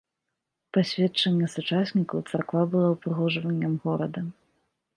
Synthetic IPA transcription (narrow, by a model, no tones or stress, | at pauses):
pasʲvʲɛtt͡ʂɐnʲːɐsut͡ʂasʲnʲikɐwt̪sɐrkvabɨlˠawpɾɨɣɔʐvɐnʲːɐmɣɔɾɐd̪ɐ